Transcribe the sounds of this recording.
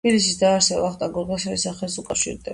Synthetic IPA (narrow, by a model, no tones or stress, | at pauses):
b̥ilis̬isd̪aːɾsɛbaaχt̪ʼaɡɔɾʁasaɾisaχɛlsukʼafʃḭɾd̪ɛ